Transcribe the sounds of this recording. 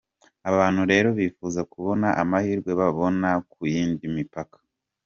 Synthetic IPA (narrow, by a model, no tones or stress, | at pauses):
aβaːn̥huɾe̞ːɾo̞βiːfuːzakuβo̞naʔamahiːɾɡwe̞βaβo̞nakujiːndimipakḁ